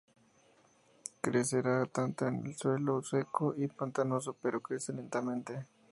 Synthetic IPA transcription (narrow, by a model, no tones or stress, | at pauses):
kɾeseɾat̪ant̪anḛlswelosekoʔipant̪anos̬opeɾokɾeselent̪amẽnt̪e